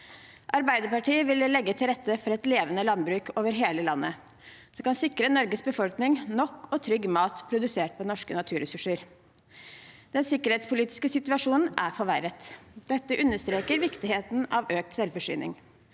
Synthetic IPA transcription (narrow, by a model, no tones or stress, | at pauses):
ʔɑɾbæɪd̪əpɑʈiːəʋɪllːɛɡːət̪ʰɪlɾɛt̪ːəfɔɾɛt̪leːʋənəlɑnbɾʉːkʰoːʋəɾɦeːləlɑnːʔə | sɔmkɑnsɪkɾənɔɾɡəsbəfɔlknɪŋnɔkːɔt̪ʰɾʏɡmɑːt̪pʰɾʊd̪ʉseːʈ̚pʰɔnɔʂkənɑt̪ʰʉːɾɛsʉʂəɾ | d̪̥ɛnsɪkːəɾheːt̪spʊliːt̪ɪ̥skəsɪt̪ʉɑʂuːnn̩ʔæfɔɾʋæɾət̪d̪̥ɛt̪ːəʔʉnːəʂt̪ɾeːkəɾʋɪkt̪ɪheːt̪n̩ɑʋøːk̚t̪sɛlfɔʂy̰ːnɪ̰ŋ